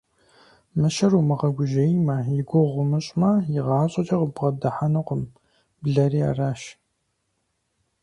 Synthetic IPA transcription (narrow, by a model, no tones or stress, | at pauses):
mɨʃɐɾumɨʁɐɡʷʊʒɐjmɐjɪɡʷʊʁʷʊmɨɕʼmɐjɪʁɑːɕʼɐt͡ʃʼɐʁəbʁɐdɐħanɨqʷʊm | bɮɐriːa̰raːʃ